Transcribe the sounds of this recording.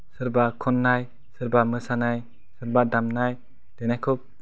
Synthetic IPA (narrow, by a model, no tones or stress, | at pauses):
sɯɾbakʰɔnːaj | sɯɾbamɯsanaj | sɯɾbadamnaj | d̥enajkʰup̚